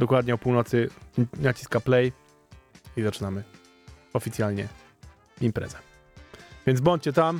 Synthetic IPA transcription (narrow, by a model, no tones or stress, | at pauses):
d̪ɔkwad̪ɲɛɔpuwnɔt̪sɘnat͡ɕi̥skaplɛj | izat͡ʂɘnamɘ | ɔfʲit̪sʲjalɲɛ̰ | impɾɛ̰zɛ | vʲjɛnd̪zbɔɲt͡ɕt͡ɕɛt̪am